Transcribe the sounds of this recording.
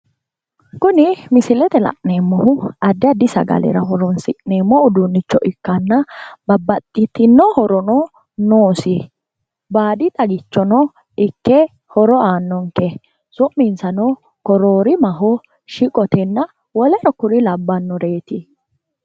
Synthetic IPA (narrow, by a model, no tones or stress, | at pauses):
kʊnɪmɪsɪlɛt̪ɛlɐ̰ʔneːmːɔhʊɐd̪ːɪɐd̪ɪsɐ̰ɡɐ̰lɛ̰ɾɐɦɔɾɔnsɪʔneːmːɔʊd̪unːɪt͡ʃːɔʔɪkːɐnːɐbɐbːɐt̪ʼːɪt̪ːɪnːɔhɔɾɔnɔ | noːsɪ | baːd̪ɪt̪ʼɐɡɪt͡ʃːɔnɔ | ɪkːɛ | hɔɾɔaːnːɔŋkɛ | sɔʔmɪnsɐnɔ | kɔɾoːɾɪmɐɦɔ | ʃɪkʼɔt̪ɛnːɐ | wɔlɛɾɔkʊɾɪlɐbːɐnːɔɾeːt̪ɪ